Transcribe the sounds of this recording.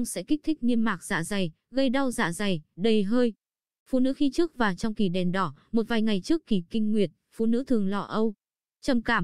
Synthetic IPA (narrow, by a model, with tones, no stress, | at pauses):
ŋ͡msɛ̰˧˥ki˦˥k̚t̪ʰï˦˥k̟̚ɲi˧əmmaː˨˩k̚z̥a̰ː˧˥˨za˨˩j | ɣə˧jɗa˧wza̰ː˧˥za˨˩jɗə˨˩jɦəː˧j | fṵ˧˨nɨ̰˧˥xi˧t͡ɕɨ˦˥ək̚vaː˨˩wt͡ɕɔ˧wŋ͡mki˧˩ɗɛ˨˩nɗɔ˧˩mo˨˩t̚vaː˨˩jŋa˨˩jt͡ɕɨ˦˥əkːi˧˩kï˧ŋ̟ŋwi˨˩ət̚fṵ˧˨nɨ̰˧˥t̪ʰɨ˨˩əŋlɔ˧˩ʔə˧w | t͡ɕə˨˩mkaː˧˩